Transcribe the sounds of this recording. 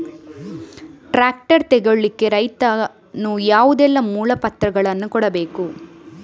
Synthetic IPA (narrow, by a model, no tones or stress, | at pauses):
ʈɾaːk̚ʈɐɾt̪ɛɡoɭːikːe̞ɾɐjt̪ɐ | nujaːʋud̪ɛlːɐmuːlɐpɐt̪ɾɐɡɐɭɐnːukɔɽɐbe̞ːku